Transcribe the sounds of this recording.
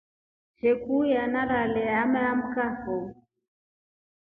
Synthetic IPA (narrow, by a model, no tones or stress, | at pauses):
t͡ʃɛkujanaɾalɛamɛam̩kafɔ